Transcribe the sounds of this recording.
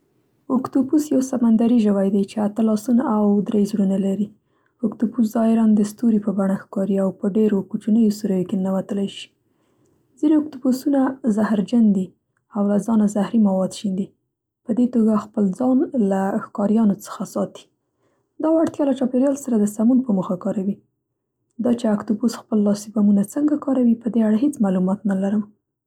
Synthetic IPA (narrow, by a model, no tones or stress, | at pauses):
ʊkt̪upusjawsamand̪aɾiʒəwajd̪ajt͡ʃeat̪əlɑsunaawd̪ɾejzɽunalaɾi | ʊkt̪upus̬zɑɪɾand̪əst̪uɾipəbaɳaxkɑɾiawpəɖeɾokut͡ʃunəjosuɾəjokenawat̪əlajʃi̥ | zineʊk̚t̪upusunazahɾd͡ʒand̪i | awlazɑnazahɾimawɑd̪ʃind̪i | pəd̪et̪oɡaxpəld͡zɑnlaxkɑɾjɑnot͡sə̥xasɑt̪i̥ | d̪ɑwaɽt̪jɑlat͡ʃɑpeɾjɑlsaɾad̪əsamunpəmuxakɑɾawi | d̪ɑt͡ʃeakt̪upusxpəlːɑsibamunat͡səŋɡakɑɾawipəd̪eaɽaɦet͡smalumɑt̪nalaɾəm